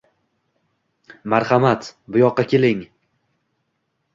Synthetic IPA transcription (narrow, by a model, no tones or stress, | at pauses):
maɾhamat̪bʊjɒqːɑkʲʰe̞lɪŋ